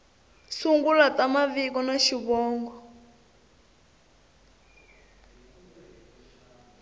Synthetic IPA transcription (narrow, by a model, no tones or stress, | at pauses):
suŋɡulatamavikɔnaʃiβɔːŋɡɔ